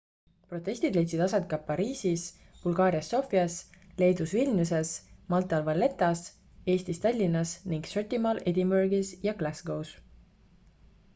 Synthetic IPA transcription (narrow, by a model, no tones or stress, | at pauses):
pro̞t̪ːˑe̞sʲt̪id̪le̞jt̪sid̪̥ɑsɑt̪̚kɑpɑɾiːsis | b̥ulɡ̥ɑːɾiɑsːo̞fiɑsle̞jd̪usvilʲnuse̞smɑlt̪ːˑɑlvɑlːe̞t̪ːˑɑs | e̞ːst̪ist̪ɑlʲːinːɑsniŋɡ̥sørt̪imɑled̪ʲimbørɡisjɑɡlæsɡ̥o̞ws